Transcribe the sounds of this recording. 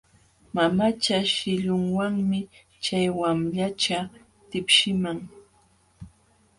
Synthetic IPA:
mamat͡ʃaʃɪʎʊŋwaŋmɪ | t͡ʃajwamʎat͡ʃa | t̪ɪpʃɪmaŋ

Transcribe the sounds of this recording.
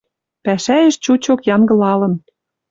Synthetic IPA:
pæʃæjĕʃt͡ɕut͡ɕokjɑŋɡɤ̆lɑlɤ̆n

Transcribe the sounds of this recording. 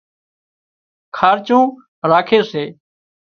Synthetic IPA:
kʰaːɾt͡ʃũː | ɾaːkʰeːseː

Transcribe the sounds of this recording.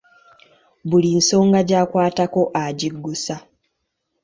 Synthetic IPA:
βulinso̞ːŋɡaɟaːkwaːtako̞ʔaɟiɡːusa

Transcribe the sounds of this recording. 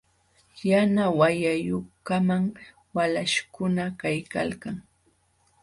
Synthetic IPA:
janawajajʊkamaŋ | walaʃkʊnakajka̰lkaŋ

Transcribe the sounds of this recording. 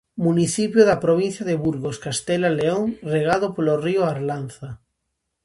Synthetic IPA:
mũniθipjoðapɾoβ̞in̟θjaðeβuɾɣoskast̪elaleoŋreɣ̞að̞opolorioaɾlanθa

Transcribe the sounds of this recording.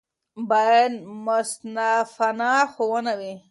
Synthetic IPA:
bajad̪mʊst̪nafanɑxowənawi

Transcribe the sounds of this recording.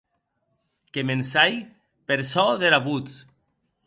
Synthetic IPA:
kemensaj | peɾsɔðeɾaβut͡s

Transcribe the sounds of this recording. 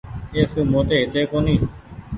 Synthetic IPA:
eːsuːmoːt̪eːɦɪt̪eːkoːniː

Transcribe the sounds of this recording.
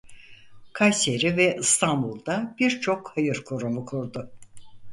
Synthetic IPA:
kʰajse̞ɾivɛʔist̪ʰanbulˠd̪ab̥iɾt͡ʃʰo̞khajɯɾkʰoɾumukʰuɾd̪ʊ

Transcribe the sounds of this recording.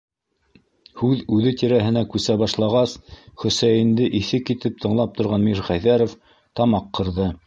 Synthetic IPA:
hʉðʉðɘt̪iɾæɦɘ̆nækʉsæβɑʃlˠɑʁɑsχɵ̆sæjɘ̆nd̪ɘʔiθɘkit̪ɘp̚t̪ʰɤ̆ɴlˠɑp̚t̪ŏɾʁɑnmiɾχæjðæɾof | t̪ɑmɑqːɤ̆ɾðɤ

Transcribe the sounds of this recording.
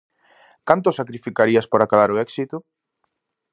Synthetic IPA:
kant̪ʊsakɾifikaɾiaspoɾakaβaɾoɛksit̪ʊ

